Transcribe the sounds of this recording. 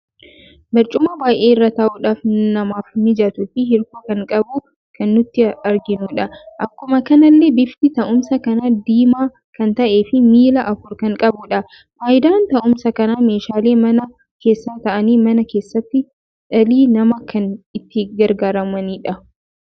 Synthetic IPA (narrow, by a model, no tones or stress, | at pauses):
bɐɾt͡ʃʼʊmɐbaːjʔe̞ːɪrːɐt̪ɐʔuːᶑaːfnɐmaːfnɪd͡ʒɐt̪ʊt̪ːɪhɪɾkoːkɐŋkʼɐbʊ | kʰɐnːʊt̪ːɪɐɾɡɪnuːᶑɐʔɐkːʊmɐkɐnɐlːeːbɪft̪ɪt̪ɐʔʊmsɐkɐnad̪iːmaː | kɐnt̪ɐʔe̞ːfɪmiːlɐʔɐfʊɾkɐŋkʼɐbʊᶑɐ | faːʔɪd̪aːnt̪ɐʔʊmsɐkɐnaːme̞ːʃaːle̞ːmɐnɐ | ke̞ːsːaːt̪ɐʔɐniːmɐnɐke̞ːsːɐt̪ːɪ | ᶑɐliːnɐmɐkʰɐnɪt̪ːɪɡɐɾɡaːɾɐmɐniːᶑɐ